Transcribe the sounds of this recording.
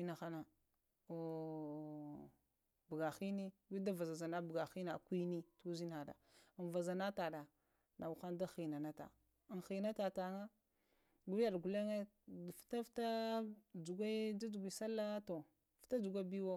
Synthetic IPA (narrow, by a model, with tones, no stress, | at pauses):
i˦na˨xa˦na˨ | o˨ | bə˨ɡa˨xi˦ni˦ɡʷi˦da˦va˨za˨za˨na˦bɡa˨xi˦na˨kʷi˦ni˦tu˦zi˦na˨da̰˨nva˨za˨na˦ta˨da˨ | na˨wu˨xa˦nda˦xi˨na˨na˦ta̰˨ | nxi˨na˦ta˨ta˨ŋa˦ | ɡʷu˦ja˦˨ɗɡu˨le˦ŋe˦˨ | fta˦fta˦d͡ʒu˨ɡʷa˦d͡ʒa˦d͡ʒu˨ɡʷi˨sa˦lːa˦to˨ | fta˦d͡ʒu˨ɡʷa˦bi˦wo˦